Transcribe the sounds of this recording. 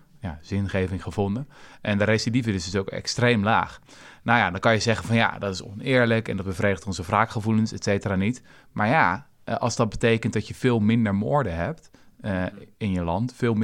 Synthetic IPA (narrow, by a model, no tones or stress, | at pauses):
jaz̥ɪnχejvɪŋχəvɔndəʔɛndəɾesidivədəsdsowkɛ̰kstrejmla̰ːχ | nowjadɑnkɑnjəzɛχənvɑnja̰dɑtɪsɔ̰nɪːɹləkɛ̰ndɑt̚d̚bəvrejdəχtɔnzəvraːkχəvulənsɛtsejtəraːnit | maːɹja | ɑ̰lˠzdɑt̚bətejkənt̚dɑtjəvɪːlˠmɪndəɹmʊːɹdəɦɛp̚t | ɪnjəlɑntfɪːlˠm